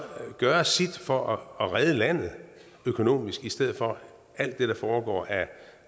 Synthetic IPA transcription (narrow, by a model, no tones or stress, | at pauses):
ɡ̥ɶːɐsid̥fɒ̽ɒːʁɛð̞ˠəlæn̰ð̩ˠ | økʰo̝no̝̰ːmisɡ̥isd̥eð̰̩ˠfɒ̽ | æl̰d̥ːe̝ɾ̥ɑ̈fɒːɡ̥ɒ̰ːæ